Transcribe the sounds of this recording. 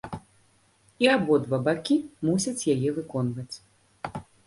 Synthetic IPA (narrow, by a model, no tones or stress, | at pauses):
iabɔd̪vabakʲimusʲɐt͡sʲjajɛvɨkɔnvɐt͡sʲ